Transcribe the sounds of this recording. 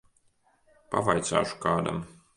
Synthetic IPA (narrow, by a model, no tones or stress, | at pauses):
pa̰vajt̪sa̰ːʃu̥kaːd̪a̰m